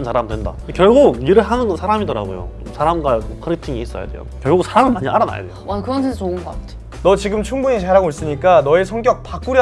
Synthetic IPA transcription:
nsʰaɾamdwe̞nda̰kjʌɭɡoiɾɯɭɦanɯnnsʰaɾamidʌɾa̰ɡo̰jo̰omsʰaɾamɡwaɯkʰɯɾitʰiŋiːs͈ʌja̰dwe̞jo̰kjʌɭɡusʰaɾamɯɭmaɲiʔa̰ɾana̰ja̰dejoakɯɾʌnsʰeŋsʰaoɯŋɡʌɡa̰tʰe | nʌt͡ɕiɡɯmt͡ɕʰuŋbuɲit͡ɕaɾaɡois͈ɯɲik͈anʌesʰʌŋɡjʌk̚pak͈uɾj

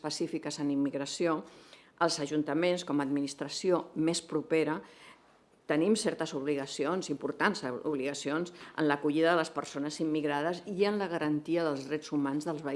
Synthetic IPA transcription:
pəsifikəzənimːiɣɾəsio | əlˠzəʒunt̪əmenskɔməd̪minist̪ɾəsiomespɾupeɾə | t̪ənimsɛɾt̪əzuβliɣəsionzimpuɾt̪ansṵβliɣəsionsə̰nləkuʎiðəðələspəɾsonəzimːiɣɾað̞əsiənləɣəɾənt̪iəðəlˠzðɾɛzumanzðəlˠzβə

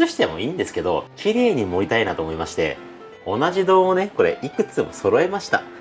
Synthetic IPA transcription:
ɨɕi̥t̪e̞mo̞̰ĩːnd̪e̞sɨ̥ke̞d̪o̞̰kʲiɾe̞ːɲ̟imo̞it̪ainat̪oːmo̞imaɕi̥t̪e̞̰ | o̞naʑid̪o̞ːne̞ko̞ɾe̞̰ʔikɯ̟t͡sɨmo̞̰so̞ɾo̞e̞maɕi̥t̪a̰

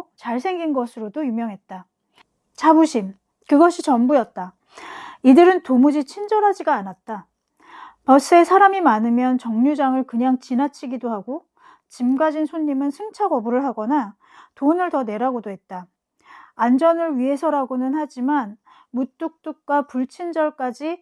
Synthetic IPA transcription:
t͡ɕaɭsʰe̞ŋɡinɡʌsʰɯɾodojumjʌŋɦe̞t̚t͈a | t͡ɕʰabuɕʰim | kɯɡʌɕʰit͡ɕʌmbujʌt̚t͈a | idɯɾɯntomud͡ʑit͡ɕʰind͡ʑʌɾɦad͡ʑiɡaːnat̚t͈a | pʌs͈ɯe̞sʰaɾamimanɯmjʌnt͡ɕʌŋɲud͡ʑaŋɯɭkɯɲaŋt͡ɕinat͡ɕʰiɡidoɦaɡo | t͡ɕimɡad͡ʑinsʰoɲːimɯnsʰɯŋt͡ɕʰaɡʌbuɾɯɭɦaɡʌna | tonɯɭtʌne̞ɾaɡodoɦe̞t̚t͈aː | nd͡ʑʌnɯɭɥiɦe̞sʰʌɾaɡonɯnɦad͡ʑiman | mut͈uk̚t͈uk̚k͈wapuɭt͡ɕʰind͡ʑʌɭk͈ad͡ʑi

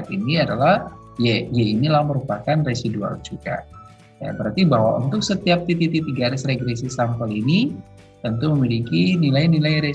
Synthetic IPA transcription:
t̪iniadalah | jajainilaməɾupakanresidua̰ld͡ʒuɡa̰ | ja̰bəɾart̪ibaɦwa̰ʔṵnt̪ʊk̚sət̪iap̚t̪it̪it̪it̪iɡaɾɪsreɡɾesisampəlini | t̪ənt̪uməmilikinilajnilajɾe

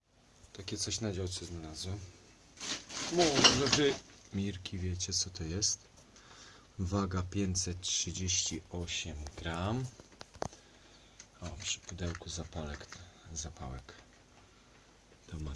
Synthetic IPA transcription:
t̪akʲɛt̪sɔɕnad͡ʑaw̪sɛznalazwɛ | mɔɔʐɛʐɘmʲiɾkʲivʲjɛt͡ɕɛt̪sɔt̪ɔjɛst̪ | vaɡapʲjeɲt͡ɕ̪sɛt̪tʂɘd͡ʑeɕt͡ɕiɔɕɛmɡɾam | apʂɘ̥pud̪ɛwkuzapalɛkzapawɛk | d̪̥ɔma

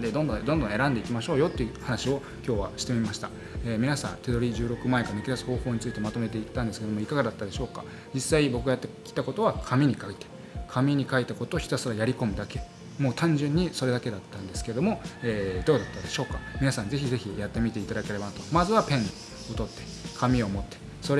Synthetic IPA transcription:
d̪ed̪õ̞nd̪õd̪õnd̪õe̞ɾãnd̪e̞ikʲimaɕo̞ːjo̞t̪ːe̞jiɯɯhanaɕio̞ | kʲo̞ːβa̰ɕi̥t̪e̞mʲimaɕi̥t̪a | eːmʲinasã̰nt̪e̞d̪o̞ɾʲiʑɨːɾo̞kɯ̟maekanɯkʲiɾasɨ̥ho̞ːho̞ːɲ̟it͡sɨi̥t̪e̞mat̪o̞me̞t̪̬e̞it̪ːãnd̪esɨ̥ked̪o̞mo̞ikaɡad̪at̪ːad̪e̞ɕo̞ːka̰ | d͡ʑisːaibo̞kɯɡajat̪ːekʲi̥t̪ako̞t̪o̞βakʰamʲiɲ̟ikait̪e̥ | kʰamʲiɲ̟ikait̪ako̞t̪oːçʲi̥t̪asɨɾajaɾʲiko̞mɯ̟d̪ake̞ | mo̞ːt̪ãɲ̟d͡ʑɨ̃ɲ̟ːiso̞ɾe̞d̪ake̞d̪at̪ːãnd̪e̞sɨ̥ke̞ed̪o̞mo̞eːd̪o̞ːd̪at̪ːad̪e̞ɕo̞ːkamʲinasãnze̞çize̞çijat̪ːe̞mʲit̪e̞it̪ad̪ake̞ɾe̞banat̪o̞mazɨβapẽ̞ɲ̟ːi | o̞t̪o̞t̪ːe̞ | kʰamʲio̞mo̞t̪ːe̞̥ | so̞ɾe

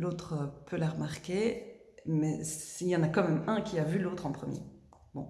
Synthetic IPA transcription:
lot̪χəpʰølaʁəmaʁkʲe | mɛsiljɑ̃nakɑ̃mɛmɛ̃kʲʰiavylot̪χɑ̃pχəmjḛ | bɔ̰̃

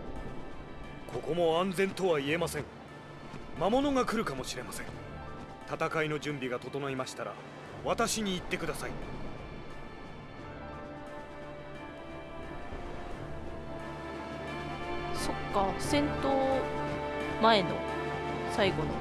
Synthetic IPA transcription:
kʰo̞ko̞mo̞ãnd͡zẽ̞nt̪o̞βaie̞masẽ̞ŋ | mamo̞no̞ɡakɯ̟ɾɯ̟kamo̞ɕiɾe̞masẽ̞ŋ | t̪at̪akaino̞ʑɨ̃mbʲiɡat̪o̞t̪o̞noimaɕi̥t̪aɾa̰ | βat̪aɕiɲ̟iːt̪ːe̞kɯ̟d̪asai | so̞kːasẽ̞nt̪oː | mae̞no̰saiɡo̞no̰

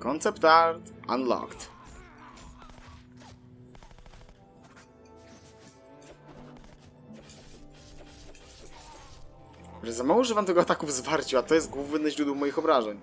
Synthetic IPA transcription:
kɔnt̪sɛpt̪aɾt̪ʔanlɔ̰kt̪ | ɾɛzamawɔʐɛvamt̪ɛɡɔat̪akuvzvaɾt͡ɕiwat̪ɔjɛst̪̚ɡwuvnɘnɛʑɾud̪ɛwmɔjixɔbɾaʐɛɲ

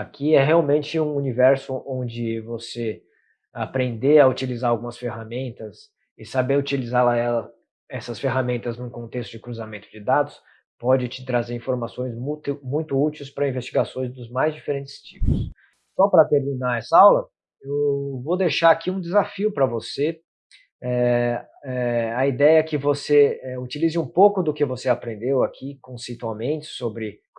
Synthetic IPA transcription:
akʰiɛɦeawmẽnt͡ʃɪũunivɛɾsʊʔõnd͡ʒɪvose | apɾẽnd̪eɐut͡ʃilizaɾawɡũmɐsfeɦamẽnt̪ɐs | ɪsabeɾʊt͡ʃilizalɐɛlɐ | ɛsɐsfeɦamẽnt̪ɐznũkõnt̪est̪ʊd͡ʒɪkɾuzamẽnt̪ʊd͡ʒɪd̪ad̪ʊs | pɔd͡ʒɪt͡ʃɪ̥t̪ɾazeɾĩfoɾmasõj̃zmut̪ʊmũj̃t̪ʊut͡ʃiwspɾɐĩvest͡ʃiɡasõj̃zd̪ʊzmajzd͡ʒifeɾẽnt͡ʃɪ̥st͡ʃipʊsː | ɔpɾɐt̪eɾminaɛsɐawlɐ | ewvod̪ejʃaɾakiũd̪ɪzafiʊpɾɐvose | ɛ | ɛɐid̪ɛjɐɛkɪvoseɛut͡ʃilizɪũpowkʊd̪ʊkɪvoseapɾẽnd̪ewakʰikõsejt̪uawmẽnt͡ʃɪ̥sobɾɪ

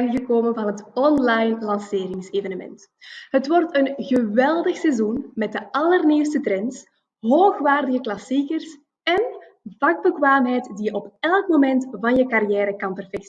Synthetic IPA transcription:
ɣəkoːmənvɑnɦətɔnlɑjnlɑnseːɾɪŋseːvənəmɛ̰nt | ɦətʋɔrtənɣəʋɛlˠdəxsɛzunmɛt̚dəʔɑlərniwstətɾɛns | ɦoːxʋaːrdəɣəklɑsikərs | ɛn | vɑɡ̚bəkʋaːmɦɛjtdijəʔɔpɛlˠkmomɛntvɑnjəkɑrijɛːɾəkɑnpɛrfɛks

